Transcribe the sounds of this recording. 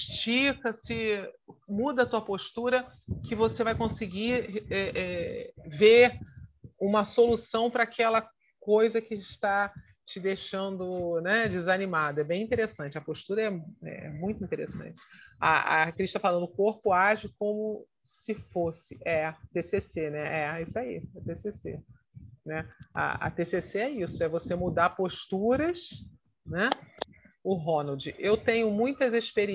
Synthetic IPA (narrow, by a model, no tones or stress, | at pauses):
ʃt͡ʃikɐsɪ | mud̪ɐt̪uɐpoʃt̪uɾɐkɪvosevajkõsɪɡiɛʔɛveɾũmɐsolusɐ̃w̃pɾɐaːkʰɛlɐ | kojzɐkɪʃt̪a | t͡ʃɪd̪eʃɐ̃nd̪ʊnɛd͡ʒɪzɐnimad̪ɐɛbẽj̃ĩt̪eɾesɐ̃nt͡ʃɪɐpoʃt̪uɾɐɛɛ̰ɛ̰mũj̃t̪ʊĩnt̪eɾḛsɐ̰̃nt͡ʃɪ̥a̰a̰kɾiʃt̪ɐfalɐ̃nd̪ʊkoɾpʊaʒɪkõmʊ | sɪfosɪʔɛt̪esesenɛʔɛisʊaḭɛt̪esesḛ | nɛɐ̰ɐ̰t̪eseseɛisʊɛvosemud̪aɾpoʃt̪uɾɐs | nɛ | ʊɦonɐwd͡ʒɪʔewt̪ẽɲʊmũj̃t̪ɐzeʃpeɾi